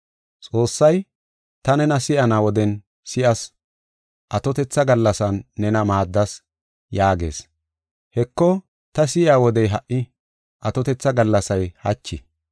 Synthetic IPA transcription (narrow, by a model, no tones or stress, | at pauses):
t͡sʼo̞ːsːɐj | t̪ɐnɛnɐsɪʔɐnaːwɔd̪ɛn | sɪʔɐs | ʔɐt̪ɔt̪ɛt͡sːɐɡɐlːɐsɐnːɛnɐmaːd̪ːɐs | jaːɡe̞̰ːs | hɛkːɔ | t̪ɐs̬ɪʔaːwɔd̪ɛjɦɐʔːɪ | ʔɐt̪ɔt̪ɛt͡sːɐɡɐlːɐsɐjhɐt͡ʃːɪ̰